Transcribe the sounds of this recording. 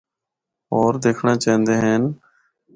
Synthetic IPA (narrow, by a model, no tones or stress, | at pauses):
oːɾd̪eːkʰɳãːt͡ʃaːɦnd̪eːɦeːn